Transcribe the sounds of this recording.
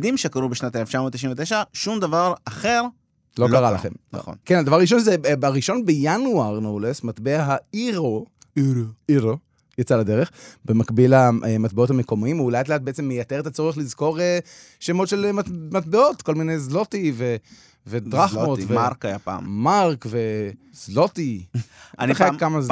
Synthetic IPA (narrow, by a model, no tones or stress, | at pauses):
d̪imʃekaʁubeʃnat̪eleft͡ʃamot̪ːiʃinvet̪eʃaʃumd̪avaʁaχeʁ | lokaʁala̰χḛmna̰χo̰nkenadavaʁaʁiʃ̬o̞nzebaʁiʃo̞nbejanuaʁnoulesmat̪beaɦaiʁo | iʁo | jat͡salad̪eʁeχbemakbilamat̪̚beothame̞ko̞miimuuleat̪̬leat̚beet͡semːejateet̪at͡so̞ʁeχlizko̞ʁe | ʃemotʃelmamatbeo̞tko̞lminejzlo̞tive | ved̪ʁaχmotveʁkajapa̰mmaʁkve̞ | z̥lo̞tianakːamaz